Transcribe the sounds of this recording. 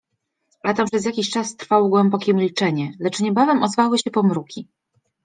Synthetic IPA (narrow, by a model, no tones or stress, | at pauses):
lat̪ampʂɛzjakʲiɕt͡ʂast̪ɾfawɔɡwɛmbɔkʲɛmʲilt͡ʂɛɲɛlɛt͡ʂɲɛbavɛmɔzvawɘɕɛpɔmɾukʲi